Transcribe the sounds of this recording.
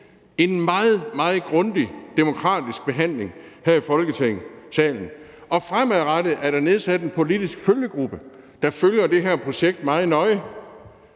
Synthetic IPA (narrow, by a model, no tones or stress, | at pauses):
e̝nmɑ̈ːð̩ˠmɑ̈ːð̩ˠɡ̥ʁɔ̽nd̥id̥e̝mo̝kʰʁɑ̰̈ːd̥isɡ̥̚b̥e̝ɦæn̰le̝ŋhæɐ̰ifɒ̽lɡ̥ət͡sʰeŋ̰̩sɛ̰ːln̩ɒ̽fʁamæðˠʁɑɾ̥əð̩ˠæɐɾ̥ɑ̈ne̝ð̞ˠsæd̥enpʰo̝lid̥isɡ̥føljəɡ̥ʁub̥ə | d̥ɑ̈føljɐd̥e̝ɦæɐ̰pʰʁo̝ɕeɡ̥̚d̥̚mɑ̈ːð̩ˠnɒ̽ɪə